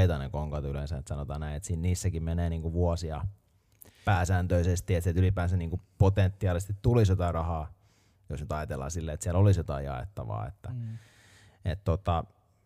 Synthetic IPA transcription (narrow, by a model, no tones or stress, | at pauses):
it̪ɑnḛkoŋkɑt̪yleˑnsæet̪sɑnot̪ɑːnæinet̪siːnniːsːækimmeneːniːŋkuʋuɑsiɑ | pæːsænt̪øisest̪iet̪silt̪ylipæːnsæniːŋkupot̪ent̪ːiɑːˑlisest̪it̪t̪ulisjot̪ɑˑirɑhɑː | josnyt̪ɑjɑt̪elːɑ̰ːsilːeːet̪siælolisjot̪ɑ̰ijjɑ̰ḛt̪ːɑ̰ʋɑ̰ːḛt̪ːæ | et̪t̪ot̪ɑ